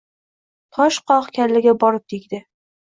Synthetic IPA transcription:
t̪ʰɒʃqʰɒχkʲʰaɾlɪɡʲabɒɾɪp̚t̪ʰeɡʲd̪ɪ

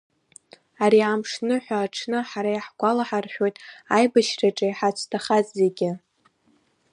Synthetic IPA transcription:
aɾiamʂnɨħʷᶣaːʈ͡ʂʰnɨħaɾajħɡʷalaħarħᶣo̞jtʼajbaʃraʈ͡ʂʼajħat͡ʃʷʰtʰaχazze̞ɡʲɪ

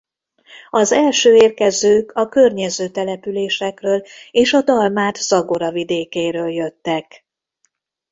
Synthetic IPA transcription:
ɒzɛlʃøːeːrkɛzøːkʰɒkørɲɛzøːt̪ɛlɛpyleːʃɛkrøːleːʃɒd̪ɒlmaːt̪sɒɡo̞ɾɒvid̪eːkeːɾøːljø̞t̪ːɛk

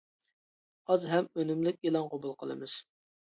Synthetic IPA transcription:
ɑzɦɛmønymlɪkʲilˠɑnqʰobulˠqʰəlˠɨ̰mɨz̥

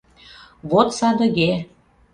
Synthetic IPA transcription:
βot̪sɑd̪ə̆ɣe

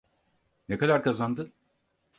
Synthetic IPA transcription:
nekad̪aɾkazand̪ɯn

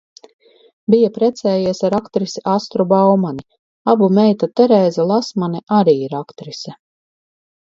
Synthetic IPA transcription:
bijapɾɛt̪sɛːjiɛsaɾakt̪ɾisiʔast̪ɾubawmani | abumɛjt̪at̪ɛɾɛːzalˠasmanɛʔaɾiːiɾakt̪ɾisʲɛ

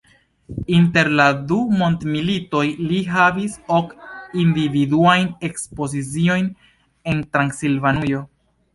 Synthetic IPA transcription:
inte̞ɾladumo̞ntmilito̞jliɦaviso̞kindividuajne̞kspo̞zit͡sio̞jn | e̞ntɾansilvanujo̞

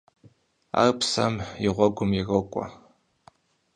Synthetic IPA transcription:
a̰rpʰsamiʁʷaɡʷʊmirɨkʷʼa̰

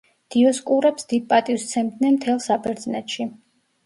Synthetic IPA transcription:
d̪̥iɔskʼuɾɛpsd̪id̪̚pʼat̪ʼiwst̪sʰɛmt̪nɛnmt̪ʰɛlˠsabɛɾd̪znɛt̪ʃi

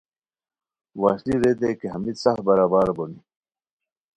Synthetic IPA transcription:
waːɕliɾed̪ekeɦɐmit̪sahbɐɾaːbaːɾboni

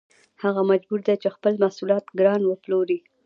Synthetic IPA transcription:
haɣamad͡ʒbuɾd̪et͡ʃexpəlmasulɑt̪ɡɾɑnwəploɾi

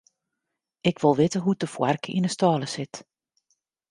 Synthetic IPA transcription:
ʔɪkʋɪlˠʋɪtəɦutəfwarkəḭnəstɑːləsɪt

